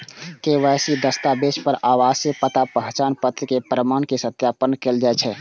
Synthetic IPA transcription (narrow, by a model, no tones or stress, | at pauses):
kewasid̪əst̪abespəɾʔawasepət̪apəɦt͡ʃaːnpət̪ɾkepɾəmaːnkesət̪japənkeld͡ʒaɛt͡ʃʰɛ